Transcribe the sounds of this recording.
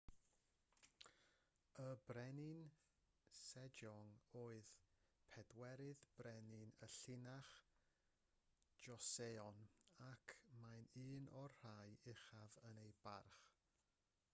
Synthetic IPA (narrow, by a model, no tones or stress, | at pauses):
əbrɛnɪn | sɛd͡ʒɔŋoːɨðpʰɛdwɛɾɨðb̥rɛnɪnəɬɪnaχ | d͡ʒɔseːɔnakʰmajnɨːnɔrr̥ajɪχavənejbarχ